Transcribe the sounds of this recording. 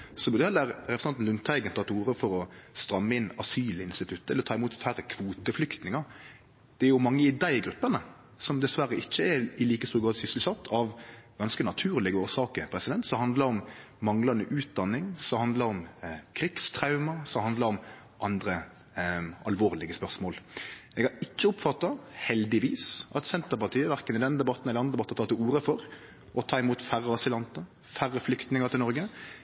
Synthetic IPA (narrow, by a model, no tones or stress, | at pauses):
sɔbʉd̪ɛlːəɾɾɛpɾsɑnt̪n̩ʉnt̪ʰɑɪɡənt̪ɑt̪ʰuːɾəfɔɾɔst̪ɾɑmːəɪnːɑsyːlɪnst̪ɪt̪ʰʉt̪ːəɛləɾt̪ʰɑːɪmuːt̪fæɾəkʰʋuːt̪əflʏkt̪nɪŋɑ | d̪̥ɛæɾjʊmɑŋːəɪd̪æɪɡɾʉpːənə | sɔmd̪ɛsʋæɾəɪçːəɛɪliːkəst̪uːɡɑːd̪sʏslsɑt̪ʰːɑʋɡɑnskənɑt̪ʰʉːʁlɪɡəoːʁsɑːkəpʰɾɛsɪd̪ɛnt̪sɔmhɑnd̪ləɾɔmː | ɑŋlɑnəʔʉːt̪̚d̪ɑnːɪŋsɔmhɑnd̪ləɾɔmkʰɾɪɡst̪ʰɾɑʉmɑsɔmhɑnd̪ləɾɔm | ʔɑnd̪ɾə | ʔɑlʋoːʁlɪɡəspœʁsmoːlɛɡɑɾɪçːəʊpfɑt̪ːɑhɛld̪ɪʋiːsɑt̪sɛnt̪əɾpɑʁt̪ʰiːəʋæʁkənɪd̪ɛnəd̪ɛbɑt̪ːn̩ɛlɑnʁəd̪ɛbɑt̪ːt̪ʰɑːt̪ɪuːɾəfɔɾ | ʔɔt̪ʰɑːɪmuːt̪fæɾəɑsɪlɑnt̪ə | færːəflʏkt̪nɪŋət̪ʰɪlnɔɾɡə